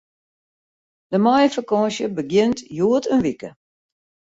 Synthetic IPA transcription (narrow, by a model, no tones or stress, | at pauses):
d̥əmɔjəfəkɔːʃjəbəɡjɪntjuətʰənʋikə